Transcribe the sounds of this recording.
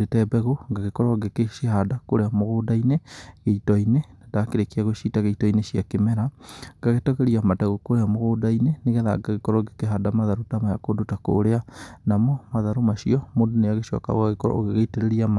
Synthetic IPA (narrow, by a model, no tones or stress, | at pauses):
ɾetɛbɛɣoŋɡaɣekɔɾɔɡekeʃiɦadakoɾeamoɣoːdaineɣeitɔinenadakeɾekiaɣoʃitaɣeitɔineʃiakemɛɾaŋɡaɣetɔɣɛɾiamataɣokoɾeamoɣodaineneɣɛða̰ɡaɣekɔɾɔɡekeɦadamaðaɾutamajakodotako̰ɾeanamɔmaðaɾomaʃiɔmodoneaɣeʃɔ̰ka̰ɣaɣekɔɾ̰oɣeɣeiteɾeɾiama